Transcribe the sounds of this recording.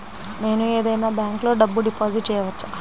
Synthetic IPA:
ne̞ːnue̞ːd̪ɐjnaːbaːŋklo̞ːɖɐbːuɖipoːd͡ʒiʈt͡ʃɛːjɐʋɐt͡ʃːaː

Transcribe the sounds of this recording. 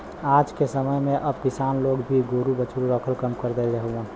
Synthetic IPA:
aːd͡ʒkesəməjmẽʔəbpɪsaːnloːɡbʱiɡoɾubət͡ʃuɾɾəkʰəlkəmkəɾd̪elɾəɦuə̃

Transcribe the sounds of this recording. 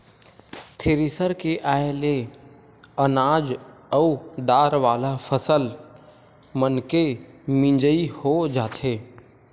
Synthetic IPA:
t̪ʰɪɾɪsəɾkeʔaːele | ənaːd͡ʒəud̪aːɾʋaːlafʰəsəl | mənkemɪ̃d͡ʒəihod͡ʒaːt̪ʰeː

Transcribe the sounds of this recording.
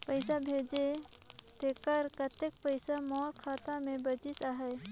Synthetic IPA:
pəɪsabʱeːd͡ʒet̪ekəɾkət̪ek̚pəɪsamɔːlkʰaːt̪ãmẽbəd͡ʒisaɦɛ

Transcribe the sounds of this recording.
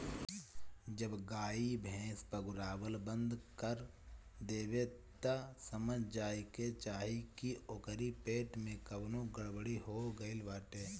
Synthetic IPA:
d͡ʒəbɡaːibʱɛ̃ːspəɡʊɾaːwəlbə̃nd̪kəɾ | d̪eːʋet̪asəməd͡ʒʱd͡ʒaːiket͡ʃaːɦikioːkəɾipeːʈmẽkəbnõɡəɽbəɽiɦoɡəɪlʋaːʈeː

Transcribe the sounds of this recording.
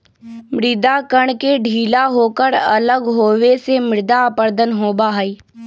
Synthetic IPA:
mɾɪd̪akəɽ̃keɖʱiːlaɦoːkəɾɐ̰ləɡɦoːʋesemɪɾɪd̪apəɾd̪ənɦoːbaɦəi

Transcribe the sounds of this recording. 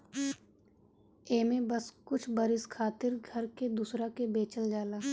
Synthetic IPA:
eːmẽbɐskʊt͡ʃʰbəɾɪskʰaːt̪ɪɾɡʱɐɾked̪uːsɾakebeːt͡ʃəld͡ʒaːlaː

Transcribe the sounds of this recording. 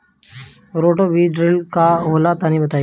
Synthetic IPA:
ɾoʈobiɖɾelkaɦolat̪ãnĩːbət̪aj

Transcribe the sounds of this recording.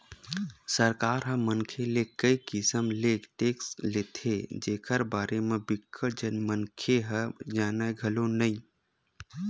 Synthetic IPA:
səɾkaːɾɦə̃mənkʰelekəikɪsəmleːkʈeːksleːt̪ʰed͡ʒeːkʰəɾbaːɾemẽbɪkʰːəʈd͡ʒənmənkʰeɦəd͡ʒaːnaɡʱəlonəĩ

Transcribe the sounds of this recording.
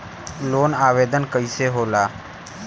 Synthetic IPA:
loːnaːʋeːd̪ənkəiseɦoːlaː

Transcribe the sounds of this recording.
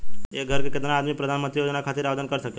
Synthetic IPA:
eɡʱəɾkeket̪naːd̪mipɾəd̪ʱanmənt̪ɾijod͡ʒnakʰat̪iɾaʋed̪ənkəɾsəke

